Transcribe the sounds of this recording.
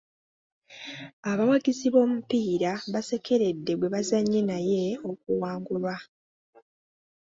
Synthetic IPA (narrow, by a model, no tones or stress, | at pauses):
aβawaɡiziβo̞ːmupiːɾaβase̞kʰe̞ɾe̞dːe̞ɡwe̞βazaɲːenaje̞o̞k̚uwaːŋɡulwa